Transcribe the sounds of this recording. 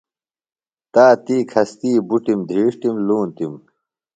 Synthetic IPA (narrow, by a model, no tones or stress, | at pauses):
t̪aːt̪iːkʰɐst̪iːbuʈimd̪ʱiːʂʈimluːnt̪im